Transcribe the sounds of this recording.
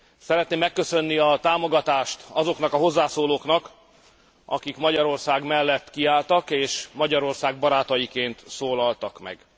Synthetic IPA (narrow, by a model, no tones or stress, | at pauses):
sɛɾɛt̪neːmːɛkːø̞sø̞nːiɒt̪aːmo̞ɡɒt̪aːʃt̪ɒzo̞knɒkɒɦo̞zːaːsoːloːknɒk | ʔɒ̰kikmɒɟɒɾo̞rsaːɡmɛlːɛt̪kiaːlt̪ɒkeːʃmɒɟɒɾo̞rsaːɡ̚bɒɾaːt̪ɒjikeːnt̪soːlɒlt̪ɒkmɛ̰ɡ